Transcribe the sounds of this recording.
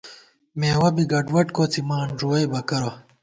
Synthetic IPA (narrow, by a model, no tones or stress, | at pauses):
meːwɐbiɡɐɖwɐʈkot͡simaːnʐuwɐjbɐkɐɾo